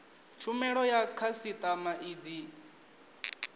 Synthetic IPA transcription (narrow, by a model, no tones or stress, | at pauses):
t͡ʃʰumɛɺɔjakʰasit̪ʼamaʔiːd͡zi